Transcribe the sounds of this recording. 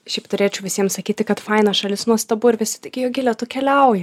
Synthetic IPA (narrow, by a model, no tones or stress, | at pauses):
ʃʲɛɪpt̪ʊɾʲeːt͡ʃʲɛʊʋʲɪsʲiɛmsɐkʲiːt̪ʲɪkɐt̪fɐɪnɐʃɐlʲɪsnuɔst̪ɐbʊɪɾʋʲɪsʲɪ̥t̪ɐɪɡʲɪjoːɡʲɪlʲɛt̪ʊkʲɛlʲɛʊjɪ